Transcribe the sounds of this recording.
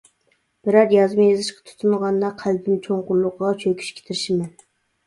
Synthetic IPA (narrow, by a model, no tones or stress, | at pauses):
b̥ɪɾɑɾjɑzmɨjɑzɨʃqɑ̥t̪ʰu̥t̪ʰunʁɑnd̪ɑqʰæld̪ɪnt͡ʃʰoŋqʊɾlˠʊqʁɑt͡ʃʰøkʲʰy̥ʃkʲʰe̥t̪ʰɪɾɪʃɪmɛn